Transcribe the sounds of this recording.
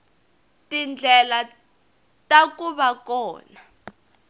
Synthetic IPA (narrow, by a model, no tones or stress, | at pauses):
tind͡ɮʱɛla | takuɓakɔːna